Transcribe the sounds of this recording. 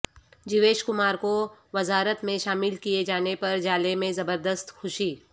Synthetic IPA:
d͡ʒɪʋeːʃkʊmaːɾkoʋɐzaːɾət̪mẽʃaːmɪlkijed͡ʒaːnepɐɾd͡ʒaːlemẽzɐbəɾd̪əst̪xʊʃiː

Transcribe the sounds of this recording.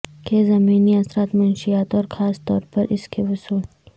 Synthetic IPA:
kezɐmiːniɐsɾaːt̪mʊnʃiaːt̪ɔːɾxaːst̪ɔ̰ːɾpɐɾʔɪskʰewʊsuːl

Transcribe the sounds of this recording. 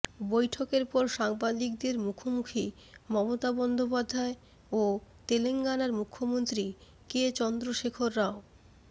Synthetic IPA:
bojʈʰokeɾpɔɾʃaŋbad̪ik̚d̪eɾmukʰomukʰi | mɔmot̪abɔnd̪opad̪ʱːae | ot̪eleŋɡanaɾmukʰːomont̪ɾi | ket͡ɕɔnd̪ɾoʃekʰoɾːao

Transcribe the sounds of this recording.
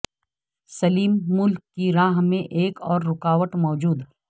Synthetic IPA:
sɐliːmːʊlkːiɾaːɦmẽʔeːkɔːɾːʊkaːʋəʈmɔːd͡ʒuːd̪

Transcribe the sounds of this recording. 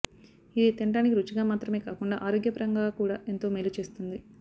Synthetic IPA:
id̪it̪iɳʈaːnik̬iɾut͡ʃiɡaːmaːt̪ɾɐme̞ːkaːkuɳɖa̰ːʔaːɾo̞ːɡjɐpɐɾɐŋɡaːkuːɽaːe̞nt̪o̞ːmelut͡ʃe̞ːst̪und̪i

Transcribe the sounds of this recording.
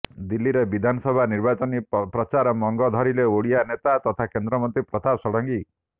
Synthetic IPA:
d̪ilːiɾebid̪ʱanɔsɔbʱaniɾbat͡ʃɔnipɾɔt͡ʃaɾɔmɔŋɡɔd̪ʱɔɾileoɽijanet̪at̪ɔt̪ʰakend̪ɾɔmɔnt̪ɾipɾɔt̪ʰasɔɽɔŋɡi

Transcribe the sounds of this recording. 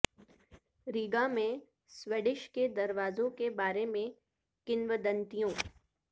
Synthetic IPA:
ɾiːɡamẽ | sweːɖɪʃked̪ɐɾʋaːzõkebaːɾemẽ | kɪnʋəd̪ə̃nt̪ijõː

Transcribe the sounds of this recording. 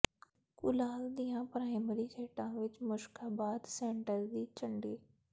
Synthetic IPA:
kʊlaːld̪ijãpɾaːẽməɾisʰeːʈãʋɪt͡ʃmʊʃkaːbaːd̪sẽːɳʈəɾd̪it͡ʃɐ̃ɳɖeː

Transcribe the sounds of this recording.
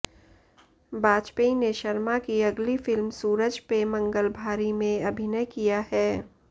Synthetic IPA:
baːd͡ʒpeineʃəɾmakiɐɡlifɪlmsuːɾəd͡ʒpemɐ̃ŋɡəlbʱaːɾimẽɐbʱɪnəjkijahɛː

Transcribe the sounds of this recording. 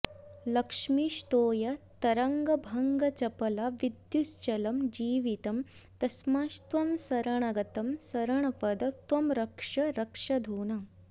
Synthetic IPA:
lɐkʂmiʃt̪oːjɐt̪ɐɾɐŋɡɐbʱɐŋɡɐt͡ʃɐpɐlɐʋid̪just͡ʃɐlɐmd͡ʒiːʋit̪ɐm | t̪ɐsmaːʃt̪ʋɐmsɐɾɐɳɐɡɐt̪ɐmsɐɾɐɳ̃ɐpɐd̪ɐt̪ʋɐmɾɐkʂɐɾɐkʂɐd̪ʱuːnɐ

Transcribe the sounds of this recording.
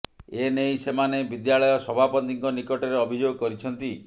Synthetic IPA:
enejsemanebid̪jaɭɔjɔsɔbʱapɔt̪iŋkɔnikɔʈeɾeɔbʱid͡ʒoɡɔkɔɾit͡ʃʰɔnt̪i

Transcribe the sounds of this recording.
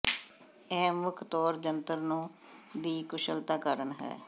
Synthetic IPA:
ɛːmʊkʰt̪ɔːɾd͡ʒənt̪əɾnũː | d̪iːkʊʃəlt̪aːkəɾənɦɛ̰ː

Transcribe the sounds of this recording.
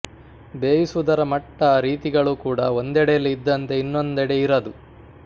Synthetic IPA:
beːjisuud̪ɐɾɐmɐʈːɐɾiːt̪iɡɐɭukuːɽɐond̪ɛɽejɐlːiid̪ːɐnt̪e̞inːo̞nd̪ɛɽeiɾɐd̪u

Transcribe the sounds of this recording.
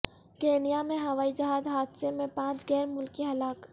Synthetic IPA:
keːnijamẽɦɐʋaːid͡ʒɐɦaːd̪ɦaːd̪semẽpãːt͡ʃɡɛːɾmʊlkiɦɐlaːk

